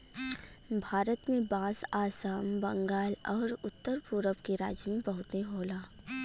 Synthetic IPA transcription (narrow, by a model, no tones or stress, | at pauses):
bʱaːɾət̪mẽbãːsaːsaːmbɐ̃ŋɡaːlɔːɾʊt̪ːəɾpʊɾəpkeɾa̰ːd͡ʒmẽbɐɦʊt̪ẽɦoːlaː